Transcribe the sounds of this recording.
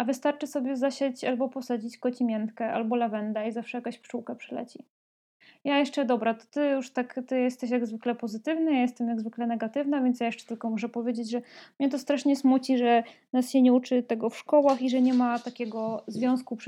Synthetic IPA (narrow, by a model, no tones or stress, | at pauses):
avɘst̪aɾt͡ʂɘsɔbʲjɛzaɕat͡ɕalbɔpɔsad͡ʑit͡ɕkɔt͡ɕimʲɛnt̪kɛʔa̰lbɔlavɛnd̪aizafʂɛjakãɕpʂuwkapʂɛlɛ̰t͡ɕi | jajɛʂt͡ʂɛd̪ɔbɾat̪ɔ̥t̪ɘjuʂt̪akt̪ɘjɛst̪ɛɕjaɡzvɘklɛpɔzɘt̪ɘvnajajɛst̪ɛmjaɡzvɘklɛnɛɡat̪ɘvnavʲjɛnt̪sjajɛʂt͡ʂɛ̥t̪ɘlkɔmɔʂɛpɔvʲjed͡ʑed͡ʑʐɛmɲɛt̪̬ɔst̪ɾaʂɲɛsmut͡ɕiʐɛnasɕɛɲɛut͡ʂɘt̪ɛɡɔfʂkɔwaxiʐɛɲɛmat̪akʲɛɡɔzvʲjɔ̃w̃skup